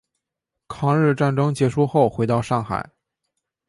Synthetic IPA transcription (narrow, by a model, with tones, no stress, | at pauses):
kʰɑ˧˥ŋɻɻ̩˥˧ʈ͡ʂa˥˩nʈ͡ʂɤ˥ŋt͡ɕjɛ˧˥ʂu˥˧xo˥˩ʊxwe˧˥ɪt̪ɑ˥˧ʊʂɑ˥˩ŋxa̰˨˩˦ɪ